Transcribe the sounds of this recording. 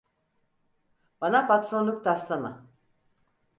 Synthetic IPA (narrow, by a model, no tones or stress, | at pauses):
banapʰat̪ɾonlˠuk̚d̪aslˠama̰